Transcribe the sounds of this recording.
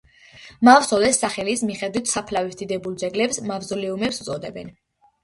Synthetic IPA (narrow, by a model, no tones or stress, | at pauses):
mavsɔlɛsːaχɛlismiχɛd̪wit̪ʰsapʰlavisd̪id̪ɛbulˠd̪zɛɡlɛpsmavzɔlɛumɛpsut̪sʼɔd̪ɛbɛn